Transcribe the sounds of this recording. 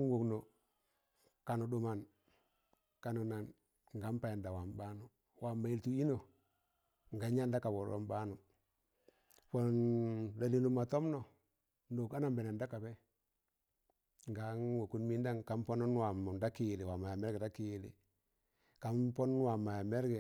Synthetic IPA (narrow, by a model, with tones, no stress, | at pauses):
ŋ˦wu˨kno˨ | ka˨nu˨du˨ma˨n | ka˨nu˨na˨n | ŋɡa˦mpa˨ja˨nda˨wa˨mba˦nu˨ | wa˨mːa˨i˨ltu˦i˦no˦˨ | ŋ˨ɡa˨ɲa˦nda˦ka˨bo˨ɾwo̰˨mba˦nu˨ | po˨nda˨li˨nu˦ma˨to˦mno˨ | ndo˨ka˦na˨mbe˨na˨nda˦ka˨be˦ | ŋɡa˨˦ŋwo˨ku˦nmi˦nda˦ŋka˨˦mpo˦nu˦n˦wa˨m˨da˦ki˦˨li˨wa˨ma˨ja˨me˦ɾɡe˨da˦ki˨lḭ˨ | ka˨mpo˦n˦wa˨ma˨ja˨me˦ɾɡe˨